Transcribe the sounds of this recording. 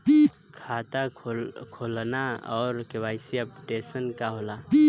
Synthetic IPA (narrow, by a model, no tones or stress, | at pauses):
kʰat̪akʰolnaɔːɾkewaɪsiapʈesənkaɦola